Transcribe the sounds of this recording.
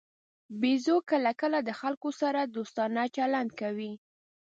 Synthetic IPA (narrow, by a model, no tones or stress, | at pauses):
bezokəlakəlad̪əxalkosaɾad̪ost̪ɑnat͡ʃaland̪̚kawi